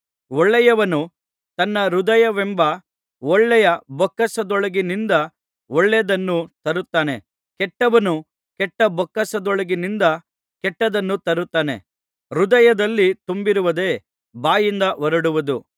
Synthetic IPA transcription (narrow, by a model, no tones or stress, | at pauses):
ɔɭːɛjɐʋɐnu | t̪ɐnːɐɾud̪ɐjɐʋɛmbɐ | ɔɭːɛjɐbɔkːɐsɐd̪ɔɭɐɡinind̪ɐ | ɔɭːɛd̪ɐnːut̪ɐɾut̪ːaːne̞ | kɛʈːɐʋɐnu | kɛʈːɐbɔkːɐsɐd̪ɔɭɐɡinind̪ɐ | kɛʈːɐd̪ɐnːut̪ɐɾut̪ːaːne̞̰ | ɾud̪ɐjɐd̪ɐlːit̪umbiɾuʋɐd̪e̞ː | baːjind̪ɐʋɐɾɐɽuʋɐd̪u